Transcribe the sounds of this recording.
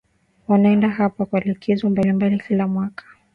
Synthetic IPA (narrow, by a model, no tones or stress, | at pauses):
wanaɛndaɦapakwalikʰɛzɔmbalimbalikilamwakʰḁ